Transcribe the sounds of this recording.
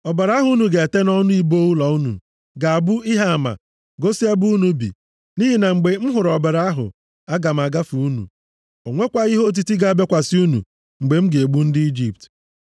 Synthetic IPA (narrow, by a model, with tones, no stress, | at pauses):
ɔ˨be˨ɾa˦a˦ɦʊ˨˦u˦nu˨ɡe˨e˨te˦nɔ˦nʊ˦i˦bo˦u˦lɔ˨u˦nṵ˨ | ɡa˨a˨bʊ˦i˦ɦa˦a˨ma̰˨ | ɡo˦si˦a˦bu˦nu˨bḭ˨ | ni˦ɦi˨na˨ŋ͡m̩˨ɡ͡be˨m̩˦ɦʊ˨ɾɔ˨be˨ɾa˦a˦ɦʊ̰˨ | a˦ɡa˨m̩˨a˨ɡa˦fu˨u˦nṵ˨ | o˨ŋʷe˦kʷa˨i˦ɦo˦t̬i˦ti˦ɡa˦˨a˦be˦kʷa˨sɪ˦u˦nṵ˨ | ŋ͡m̩˨ɡ͡be˨m̩˦ɡe˨e˨ɡ͡bu˦n̩˦dɪ˦i˦d͡ʒi˨p̚t